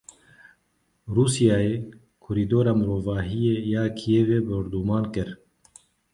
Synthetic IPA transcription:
ɾuːsijaːeː | kʰʊɾiːd̪oːɾaːmɨɾoːvaːɦijeːjaːkʰijeːveːbɨɾd̪uːmaːnkɨɾ

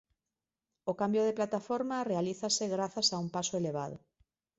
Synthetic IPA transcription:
okambjoð̞eplat̪afoɾmarealiθasɪɣɾaθasaumpasoeleβ̞a̰ð̞ʊ̰

